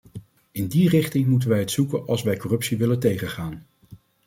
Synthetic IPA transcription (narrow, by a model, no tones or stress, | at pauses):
ɪndirɪχtɪŋmutənʋɛjɦətsukənɑ̰lˠsʋɛjkɔrɵpsiʋɪləntejχəχaːn